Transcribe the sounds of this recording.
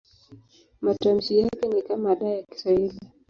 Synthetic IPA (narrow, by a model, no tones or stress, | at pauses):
matam̩sijakɛnikamaɗajaki̥saili